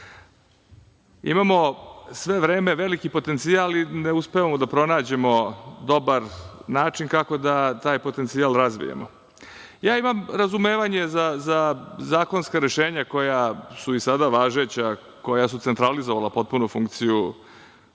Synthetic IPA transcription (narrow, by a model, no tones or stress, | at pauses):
ḭmamo̞sʋe̞ʋɾeːme̞ʋe̞likipo̞t̪e̞nt̪siaːlineuspeʋamod̪apɾo̞naːd͡ʑe̞mo̞d̪o̞baɾnaːt͡ʃinkako̞d̪at̪aːjpo̞t̪e̞nt̪siaːlˠɾazʋḭjḛmo̰ | jaːimamɾazumeːʋaɲe̞zazazaːko̞nskaɾe̞ʃe̞ːɲako̞jasuisad̪aʋaːʒet͡ɕa | ko̞jasut̪sent̪ɾalizoʋalapo̞t̪̚punufuŋkt̪siju